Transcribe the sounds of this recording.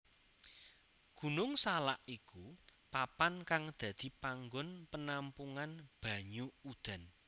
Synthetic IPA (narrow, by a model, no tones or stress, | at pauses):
ɡ̥ṳnʊŋsalaʔikupapankaŋd̪̥ä̤d̪̥i̤paŋɡɔnpənampuŋanb̥a̤ɲuud̪̥a̤n